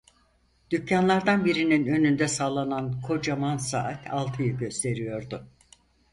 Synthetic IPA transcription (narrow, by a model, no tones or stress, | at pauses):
d̪̥ycʰːanlˠaɾd̪anbiɾininø̞nynd̪ɛsaːlˠanankʰo̞d͡ʒamansa̰ʔat̪ʰalˠt̪ʰɯjɯɟø̞st̪ʰe̞ɾijo̞ɾd̪ʊ